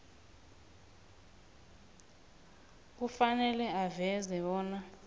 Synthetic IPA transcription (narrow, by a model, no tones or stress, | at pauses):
k̬ufanɛlɛavɛzɛɔːna